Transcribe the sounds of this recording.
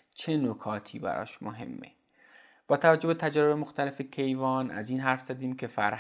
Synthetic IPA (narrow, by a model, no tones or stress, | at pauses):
t͡ʃʰe̞nokʰɒːt̪ʰiːbæ̰ɾɒ̰ːʃmoɦe̞̰mːḛ | b̥ɒːt̪ʰævæd͡ʒo̞bet̪ʰæd͡ʒæɾebemoxt̪æle̞fecʰe̞jvɒːnʔæ̰ziːnɦæɾfz̥æd̪iːmkʰe̞fæɾh